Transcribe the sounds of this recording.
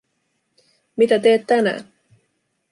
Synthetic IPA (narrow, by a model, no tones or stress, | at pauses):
mit̪æt̪̬eːt̪ːænæ̰ːn